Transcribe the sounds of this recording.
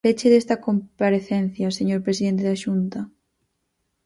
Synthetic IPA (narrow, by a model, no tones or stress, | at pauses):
et͡ʃeðest̪ɐkompaɾeθen̟θjɐseɲoɾpɾesiðent̪eðaʃunt̪ɐ